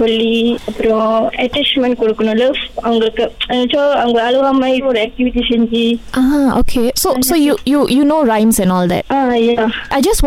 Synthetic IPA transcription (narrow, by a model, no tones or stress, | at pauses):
sɔlːiɐpːɯɾõɐʈɛt͡ʃmɛ̃ɳʈ̚kɔɽɯkːɐnũlɐfɐʋɐŋɡɐɭɯkːɯɛt͡ʃːoːɐʋɐŋɡɐɐluʋamaiɾɔɾɛk̚ʈiʋiʈisɛɲd͡ʒiʔaːo̰ːkʰeːsoːsoːjujuːjunoːɾãɪ̃msɛ̃nɔːld̪ɛ̰ʈaːjaːʔaɪd͡ʒɐs